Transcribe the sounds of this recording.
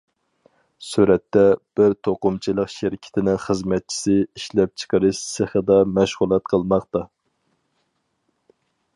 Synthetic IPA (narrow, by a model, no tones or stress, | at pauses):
suɾɛt̪ːɛb̥ɪɾt̪ʰoqʊmt͡ʃʰilˠəqʃɪɾɪkʲʰɪ̥t̪ʰɪnɪŋχəzmɛt̪̚t͡ʃʰi̥sɪiʃlɛp̚t͡ʃʰə̥qəɾɨʃseχəd̪ɑmɛʃʁulˠɛt̪̚qʰəlˠmɑχt̪ɑ